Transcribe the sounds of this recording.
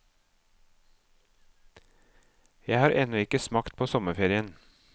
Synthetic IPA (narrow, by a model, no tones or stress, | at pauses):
jæɪhɑːɾʔɛnɔɪkəsmɑkt̪̚pʰoːsɔməfeːɾɪən